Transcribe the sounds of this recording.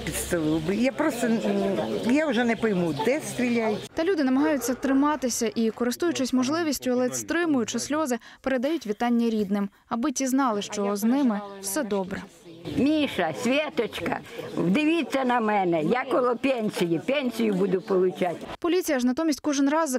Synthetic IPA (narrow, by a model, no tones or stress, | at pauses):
pʲit̪st̪ɐlˠɪlˠbɪjapɾɔst̪ɐ | jaʊʒɛnɛpɔjmud̪ɛst̪ɾʲilʲajɪtʲt̪ɐlʲud̪ɪnɐmɐɦɑjʊt͡sʲːɐt̪ɾɪmɑt̪ɪsʲɐʔikɔɾɪst̪ujʊt͡ʃɪsʲmɔʒlˠɪʋʲisʲtʲʊɐlˠɛst̪ɾɪmʊjʊt͡ʃɛsʲlʲɔzɪpeɾed̪ɐjutʲʋʲit̪ɑnʲːɐɾʲid̪nɪm | ɐbɪtʲiznɑlˠɪʃt͡ʃɔznɪmɪw̥sɛd̪ɔbɾɛ | mʲiʃɐsʲʋʲɛt̪ɔt͡ʃkɐ̰wd̪ɪʋʲit͡sʲːɐnɐmɛnɛjakɔlˠɔpʲɛnʲsʲijipʲɛnʲsʲijʊbud̪ʊpɔlˠʊt͡ʃatʲpɔlʲit͡sʲijɐʒnɐt̪ɔmʲisʲtʲkɔʒɪnrɑz